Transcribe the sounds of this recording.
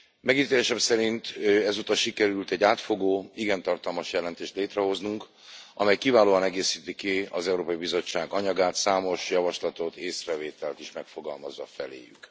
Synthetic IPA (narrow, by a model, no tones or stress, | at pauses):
mɛɡit̪eːlɛʃɛmsɛɾint̪ɛzut̪ɒʃikɛɾylt̪ɛɟːaːt̪fo̞ɡoːiɡɛnt̪ɒrt̪ɒlmɒʃjɛlɛnt̪eːʃt̪leːt̪rɛɦo̞znuŋk | ʔɒmɛjkivaːloːɒnɛɡeːsiːt̪ikiɒzɛuɾoːpɒjibizo̞t͡ʃːaːɡɒɲɒɡaːt̪saːmo̞ʃjɒvɒʃlɒt̪o̞t̪eːsrɛveːt̪ɛlt̪iʃmɛkfo̞ɡɒlmɒzʋɒfɛlḛːjy̰k